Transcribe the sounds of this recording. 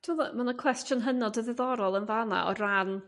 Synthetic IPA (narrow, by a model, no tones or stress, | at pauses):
tʰɪmɔðamanəkʰw̥ɛstjɔnɦənɔdəðɪðɔɾɔlˠənvana̰ɔ̰ran